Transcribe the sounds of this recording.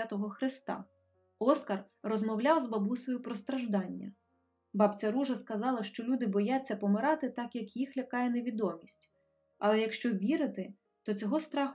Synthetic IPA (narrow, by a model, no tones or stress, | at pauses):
at̪ɔɦɔxɾɪst̪ɑ̰ | ɔskɐr | rɔzmɔwlʲɑwzbɐbujsʋɔjupɾɔst̪ɾɐʒd̪ɑnʲːɐ̰ | bɑpt͡sʲɐɾuʒɐskɐzɑlˠɐʃt͡ʃɔlʲud̪ɪbɔjat͡sʲːɐpɔmɪɾɑt̪ɪt̪ɑkjɐkjixlʲɐkɑjɛneʋʲid̪ɔmʲisʲtʲ | ɐlˠɛjɐkʃt͡ʃɔʋʲiɾɪt̪ɪ | t̪ɔt͡sʲɔɦɔst̪ɾɑx